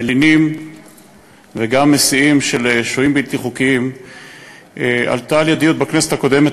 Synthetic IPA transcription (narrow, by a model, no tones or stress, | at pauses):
linim | veɡamːesiimʃeleʃoimbilt̪iχukiim | ʔʔa̰ltaːljad̪ijot̪̚bakneset̪ako̞d̪e̞met